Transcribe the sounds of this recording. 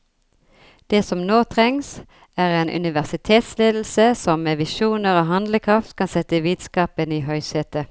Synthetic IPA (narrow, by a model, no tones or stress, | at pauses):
d̪̥eːsɔmnoːt̪ʰʁɛŋs | æːʁeːnʔʉ̰nɪʋæʁsɪt̪ʰeːt̪sleːd̪l̩səsɔmmeːʋɪʃuːnəʁoːɦɑnd̪ləkʰʁɑft̪kʰɑnsɛt̪əʋiːd̪skɑːpəniːɦœʏseːt̪ə